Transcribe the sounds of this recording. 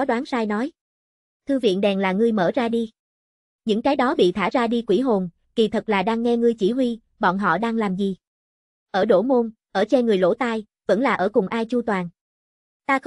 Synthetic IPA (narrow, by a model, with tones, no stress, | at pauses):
ɔ˨˦ɗwaː˨˦nsaː˧jnɔ˨˦j | t̪ʰɨ˧vḭ˧˨ənɗɛ˨˩nlaː˨˩ŋɨ˧əjməː˧˩zaː˧ɗi˧ | ɲɨ̰˧˥ŋt͡ɕaː˨˦jɗɔ˨˦ɓḭ˧˨t̪ʰaː˧˩zaː˧ɗi˧kwi˧˩ɦo˨˩n | ki˨˩t̪ʰə˨˩k̚laː˨˩ɗaː˧ŋːɛ˧ŋɨ˧əjt͡ɕi˧˩ɦwi˧ | ɓɔ̰˧˨nɦɔ̰˧˨ɗaː˧ŋlaː˨˩mzi˨˩ | ʔəː˧˩ɗo̰˧˩mo˧nʔəː˧˩t͡ɕɛ˧ŋɨ˨˩əjlo̰˧˥t̪aː˧j | və̰˧˥nlaː˨˩ʔəː˧˩kʊ˨˩ŋ͡mʔaː˧jt͡ɕu˧t̪waː˨˩n | t̪aː˧